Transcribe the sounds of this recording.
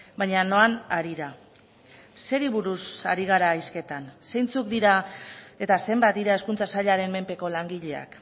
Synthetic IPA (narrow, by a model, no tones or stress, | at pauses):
bajɲano̞anaɾiɾa | se̞ɾiβuɾusaɾiɣ̞aɾajske̞t̪ansejnt͡sukd̪iɾae̞t̪ase̞mbat̪̚d̪iɾae̞skunt͡sasaʎaɾe̞mme̞mpe̞ko̞laŋɡiʎe̞a̰k